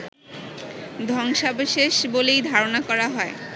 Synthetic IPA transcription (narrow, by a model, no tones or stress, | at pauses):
d̪ʱɔŋʃabʃeʃbolejd̪ʱaɾonakɔɾaɦɔe